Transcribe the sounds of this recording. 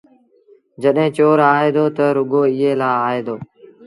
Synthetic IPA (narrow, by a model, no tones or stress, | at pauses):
d͡ʒəɗɦẽːt͡ʃoːɾaːeːd̪oːt̪əɾʊɡoːiːɦeːlaːaːɦeːd̪oː